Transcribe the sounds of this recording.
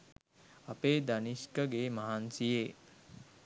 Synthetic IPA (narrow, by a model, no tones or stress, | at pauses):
apeːd̪aniskəɡemaɦansije